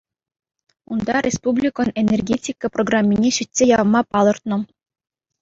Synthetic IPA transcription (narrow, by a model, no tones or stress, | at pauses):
ṵnd̪ɑɾʲʔespublʲikɤ̆nenʲerɡʲetʲikːɤproɡrɑmʲːinʲeɕitʲsʲejɑʋmɑpɑlˠɤ̆rt̪nɤ̆